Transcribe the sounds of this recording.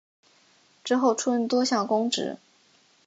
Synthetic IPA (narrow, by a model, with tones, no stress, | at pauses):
ʈ͡ʂɻ̩˥xo˥˩ʊʈ͡ʂʰu˥nt̪wɔ˥ɕjɑ˥˩ŋkʊ˥ŋʈ͡ʂɻ̩̰˧˥